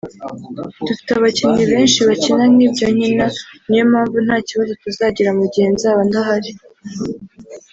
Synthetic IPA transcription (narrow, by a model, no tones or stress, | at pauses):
dufi̥taβaciɲiβe̞ːnʃiβacinanibɟo̞ɲinanijomaːɱvun̥haːciβazo̞tuzaɟiɾamuɟihe̞nzaːβandaɦaɾi